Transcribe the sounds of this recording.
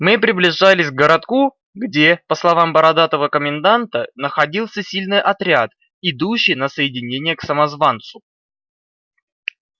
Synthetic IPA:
mɨpɾʲɪblʲɪʐalʲɪsʲɡɡəɾɐt̪ku | ɡdʲepəslˠɐvambəɾɐd̪at̪əvəkəmʲɪnd̪ant̪ənəxɐdʲilˠsʲəsʲilʲnɨjʔɐt̪ɾʲat̪ | ɪd̪uɕːɪjnəsəjɪdʲɪnʲenʲɪjəksəmɐzvant̪sʊ

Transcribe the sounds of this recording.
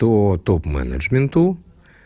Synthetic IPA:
ot̪opma̰nɐ̰d͡ʒmẽnt̪u

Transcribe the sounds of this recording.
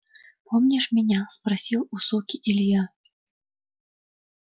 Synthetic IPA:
pʰɔmnʲɛʂmʲɛnʲaspɾasʲiwusɔkʲiʔilʲja

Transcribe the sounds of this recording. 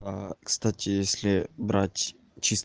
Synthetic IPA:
akst̪atʲɪjesʲlʲɪbɾatʲ | t͡ʃʰis

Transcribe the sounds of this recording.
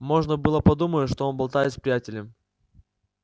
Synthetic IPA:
mo̞ʐnəbɨlˠəpɐd̪uməʂt̪oonbɐlˠt̪ajɪt̪spɾʲɪjætʲɪlʲɪm

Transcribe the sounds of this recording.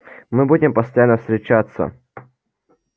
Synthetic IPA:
mɨbudʲɪmpəst̪ɐjanːəfst̪ɾʲɪt͡ɕat̪sːə̰

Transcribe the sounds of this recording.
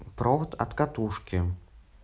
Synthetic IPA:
pɾʔɔxt̪ɐ̰t̪kat̪uʂkʲi

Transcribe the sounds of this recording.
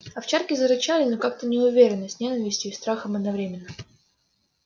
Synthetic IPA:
ɐft͡ɕarkʲɪzəɾɨt͡ɕalʲɪnokak̚t̪ənʲɪʊvʲeɾʲɪnːəsʲtʲnʲenəvʲɪsʲtʲjʊist̪ɾaxəmɐd̪nɐvɾʲemʲɪnːə

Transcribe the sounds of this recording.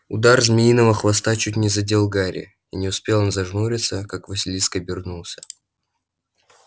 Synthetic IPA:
ʊ̰d̪arzmʲɪinəvəxvɐst̪at͡ɕutʲnʲɪzɐdʲelˠɡaɾʲʔɪ̰ | inʲɪʊspʲelˠonzɐʐnuɾʲɪt̪səkakvɐsʲɪlʲiskəbʲɪrnulˠsʲə̥

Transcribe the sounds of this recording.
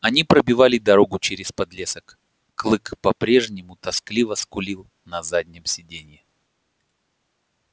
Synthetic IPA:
ɐnʲipɾəbʲɪvalʲɪd̪ɐɾo̞ɡʊt͡ɕeɾʲɪspɐd̪lʲesəkː | lˠɨkpɐpɾʲe̞ʐnʲɪmʊt̪ɐsklʲivəskʊlʲilˠ | nɐzadʲnʲɪmsʲɪdʲenʲɪjɪ

